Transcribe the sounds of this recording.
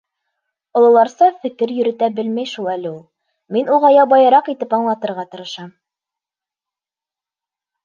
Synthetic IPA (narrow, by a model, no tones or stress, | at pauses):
ŏlˠɤ̆lˠɑɾsɑfɘ̆kɘɾjɵ̆ɾɘ̆t̪æbɘlmæjʃulˠælɘulˠ | minuʁɑjɑbɑjɤ̆ɾɑqit̪ɘpɑɴlˠɑt̪ɤ̆ɾʁɑt̪ɤ̆ɾɤ̆ʃɑm